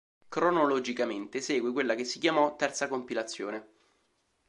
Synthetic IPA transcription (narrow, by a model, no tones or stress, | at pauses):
kɾonolod͡ʒikament̪esɛːɡwek̬welːak̟esːikjamɔt̪ːɛrt̪sakompilat̪sːjo̰ːne